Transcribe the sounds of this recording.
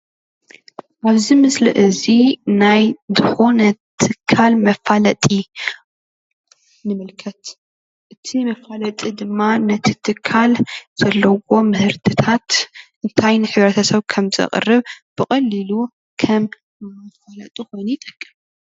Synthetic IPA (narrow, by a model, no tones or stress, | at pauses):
ʔaβzimɨslɨ̰ʔɨzinajzɨxo̞nɐt̪ʰɨkʰːalmɐfalɐt̪ʼi | nɨmɨlkʰɐt̪ | ʔɨt̪ʰimɐfalɐt̪ʼid̪ɨmːanɐt̪ʰi̥t̪ʰɨkʰːalz̥ɐlːɐwo̞mɨhɨɾt̪ʰɨt̪ʰat̪ʔɨnt̪ʰajnɨħɨβɾɐt̪ʰɐsɐβkʰɐmzɐ̰χʼɨ̰rɨβb̥ɨkʼɐlːilu | kʰɐm | mɐfalɐ̰t̪ʼuxo̞jnit̪ʼɐkʼːɨm